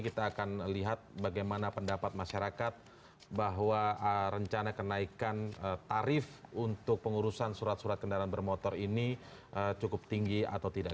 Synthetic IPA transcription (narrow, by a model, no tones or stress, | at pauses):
kit̪aːkanliɦat̪̚baɡajmanapəndapat̪̚maʃaɾakat̪̚ | baɦwaəɾəɲt͡ʃanakənaikanət̪aɾɪfunt̪ʊk̚pəŋuɾusansuɾat̪̚suɾat̪̚kəndaɾanbərmot̪ɔɾiniʔət͡ʃukʊp̚t̪iŋɡia̰t̪awt̪ida